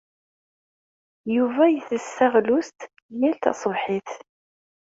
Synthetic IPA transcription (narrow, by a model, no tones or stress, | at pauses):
juvæjəθəsːaʁlust̪ | jælt̪ɑ̰sˤəvħɪθ